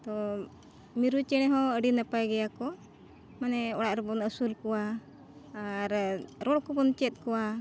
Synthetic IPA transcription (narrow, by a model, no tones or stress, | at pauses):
t̪ɔ | miɾut͡ʃɛñɛɦɔəɖinapajɡɛjakɔ | manɛɔɽaʔɾɛbɔnəsulkɔwa | ɾɾɔɽkɔbɔnt͡ʃɛt̪̚ˀkɔwa